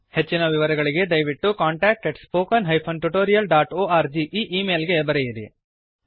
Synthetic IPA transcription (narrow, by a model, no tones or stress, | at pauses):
he̞t͡ʃːinɐʋiʋɐɾɐɡɐɭiɡe̞d̪ɐjʋiʈːukaːɳʈaːk̚ʈeɖspoːkɐnɦɐjpʰɐnʈuʈoːɾijɐlɖaːʈoːaːɾd͡ʒiʔiːʔiːmeːlɡebɐɾejiɾḭ